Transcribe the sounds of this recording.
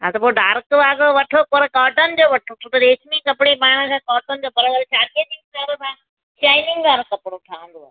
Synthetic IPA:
ɦã̰t̪ɐpoɖaːɾkʋaːɡoʋɐʈʰokoɾekɔːʈənd͡ʑoːʋɐʈʰot̪ʰot̪ɐɾeːʃmikɐpɽibaːɽ̃əkʰãːkɔːʈənd͡ʑoːpɐɾəɡəlt͡ʃaːɾket̪ĩŋk̪aːɾsãː | ʃaːɪnɪ̃ŋɡʋaːɾɐkɐpɽ̃oʈʰaːʋə̃nd̪oa̰ː

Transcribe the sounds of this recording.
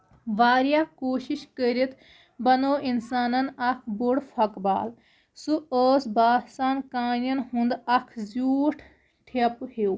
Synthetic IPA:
ʋaːɾjaːkoːʃiʃkəɾit̪ʰ | bɐnoːʔinsaːnɐnɐkʰbuɽfʰɐkba̰ːl | suəːsbaːsaːnkaːnjɐnɦũnd̪ɐkʰzuːʈʰ | ʈʰɐphew

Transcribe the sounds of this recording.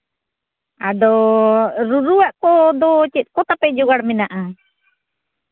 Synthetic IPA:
adɔ | ɾuɾuaʔkɔd̪ɔt͡ʃɛt̪̚kɔt̪apɛʔd͡ʒɔɡaɽminaʔa

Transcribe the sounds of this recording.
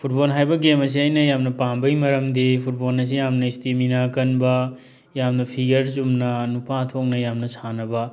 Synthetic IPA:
pʰut̚bolɦajbɐɡemɐs̬iajnɐjamnɐpambɐjmɐɾɐmdipʰut̚bolnɐs̬ijamnɐistiminakɐnbɐ | jamnɐpʰiɡɐɾsumnɐnupʰatʰok̚nɐjamnɐsanɐbɐ

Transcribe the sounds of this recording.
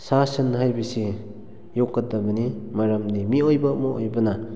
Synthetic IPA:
sasɯnɦajbɐsi | jokːɐtɐbɐnimaɾɐmdimiojbɐmoojbɐna

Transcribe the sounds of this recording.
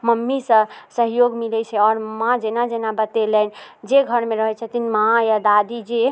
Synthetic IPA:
məmːisə̃səɦjoɡmilɛt͡ʃʰɛɔɾmãd͡ʒenad͡ʒenabət̪elɛnd͡ʒeɡʱəɾmeɾəɦɛt͡ʃʰət̪inmajad̪ad̪id͡ʒe

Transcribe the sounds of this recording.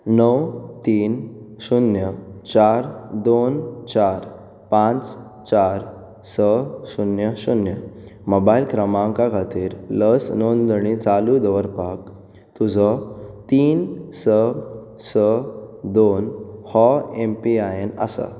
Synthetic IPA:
nəwt̪iːnɕunjət͡ɕaɾd̪ont͡ɕaɾ | pãt͡s | t͡ɕaɾ | səɕunjəɕunjəmobailkɾəmãŋkakʰat̪iːɾləsnond̪əɽ̃it͡salud̪əʋəɾpak | t̪ud͡zʱɔt̪iːnsə | səd̪onhɔempiajenə̰sə̰

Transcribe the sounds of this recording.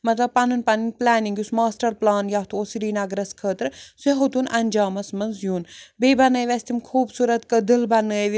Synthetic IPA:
mɐt̪lɐbpɐnunpɐninplaːniŋɡjusmaːsʈɐɾplaːnjaɦt̪ʰuosiɖiːnɐɡɾɐskʰəːt̪ɾseɦot̪unɐnʲd͡ʒaːmɐsmɐnzjuːnbeːbɐnəːjʋʲɐst̪ʰimkʰuːbsuːɾɐt̪kəd̪ɨlbɐnːəːʋ

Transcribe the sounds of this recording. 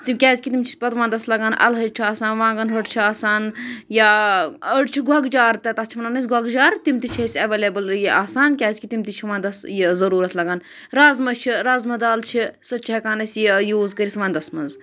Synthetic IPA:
t̪imkʲaːzʲkit̪imt͡ʃʰi̥pɐt̪ʋãːnd̪ɐslɐɡaːnʔɐ̰lɦɐt͡ʃʰiaːsaːnʋãːŋɡɐnɦɐʈt͡ʃʰiaːsaːnjaːəɖt͡ʃʰiɡʱɐɡd͡ʒaːɾt̪ɐt̪ɐst͡ʃʰimɐnanɐs̬ʲɡʱɐɡd͡ʒaːɾt̪imt̪it͡ʃʰɐsʲɐʋeːleːbɐljiʔaːsaːnkʲaːzʲkit̪imt̪it͡ʃʰiʋãːnd̪ɐsjizɐɾuːɾɐt̪ʰlɐɡaːn | ɾazmɐt͡ʃʰiɾaːzmɐd̪aːlt͡ʃʰisɐt͡ʃʰɐɐkaːnɐsʲjijuːzkəɾit̪ʋãːnd̪ɐsmɐnz

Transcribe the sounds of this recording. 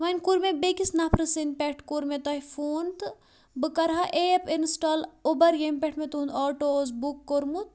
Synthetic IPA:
ʋɐnkuɾmebekisnapʰɾɨsinpeʈʰkuɾmẽt̪ɐifoːnt̪ | bɨkɐɾɦaʔeepinsʈaːlubɐɾjempɛʈʰmẽt̪und̪ɔːʈozbukːoɾmut̪̚

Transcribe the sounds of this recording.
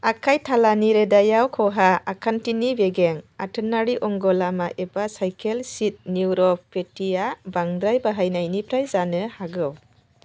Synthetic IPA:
akʰajtʰalaniɾedajawkʰɔɦaːkʰantinibeɡeŋatʰənaɾiʔɔŋɡɔlamaʔebasajkʰelsit̚nuwɾɔpetijabaŋd̪ɾajbaɦajnajnipʰɾajzanɯhaɡɯw

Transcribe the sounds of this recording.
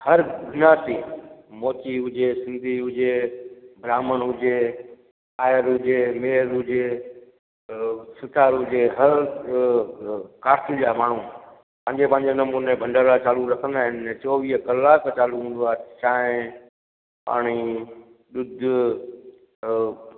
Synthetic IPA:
hɐɾɡʱʊnaːt̪imoːt̪iɦʊd͡ʑesɪ̃nd̪ʱiɦʊd͡ʑebʱɾaːməɽ̃ɦʊd͡ʑe | aːjəɾɦʊd͡ʑemeːɾʊd͡ʑe | sɪt̪ʰaːɾʊd͡ʑeɦɐɾ | kaːɾʈʰid͡ʑaːmaːɳ̤ũ | pɐ̃ɦɪ̃ɲd͡ʑepɐ̃ɦɪ̃ɲd͡ʑenɐmuːnebʱɐ̃ɳɖəɾat͡ɕaːluɾɐkʰə̃nd̪aːɦɪnt͡ɕɔːʋiːɦəkɐlːaːkt͡ɕaːluɦũːn̆d̪uaːet̪ʃaːɪ̃ | pa̰ːɽ̃i | ɗʊd̪ʱʊ

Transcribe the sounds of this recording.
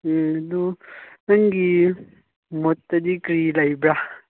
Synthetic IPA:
ɐdunɐŋɡi | mɔt̪ːɐd̪ikɾilɐjbɾa

